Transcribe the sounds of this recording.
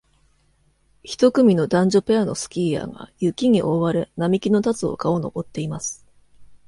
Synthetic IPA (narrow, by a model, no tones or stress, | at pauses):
çi̥t̪o̞kɯ̟mʲino̞d̪ãɲ̟d͡ʑo̞pe̞ano̞sɨ̥kʲiːja̰ːɡa̰jɯ̟kʲiɲ̟iʔo̞βaɾenamʲikʲino̞t̪at͡sɨo̞̰kao̞no̞̰bo̞t̪ːe̞imasɨ̥